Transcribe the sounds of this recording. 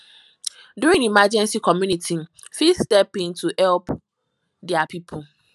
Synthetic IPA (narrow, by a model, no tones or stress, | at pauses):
duɹĩŋimad͡ʒɛ̃nsikʰɔmjũnitʰi | fistɛpĩntʰuhɛlp | dɛapʰipʰʊ